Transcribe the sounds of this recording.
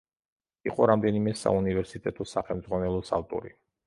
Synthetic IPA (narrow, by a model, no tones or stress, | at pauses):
iqʼɔɾamd̪ɛnimɛsa̰univɛɾsit̪ʼɛt̪ʰʼɔsaχɛlmd̪zʁwanɛlˠɔsa̰lt̪ʼṵɾi